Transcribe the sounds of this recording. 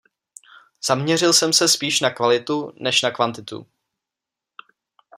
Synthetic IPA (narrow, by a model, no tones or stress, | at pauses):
z̥amɲɛrɪlsɛmsɛspiːʃnakvalɪt̪unɛʃnakvant̪ɪt̪ṵ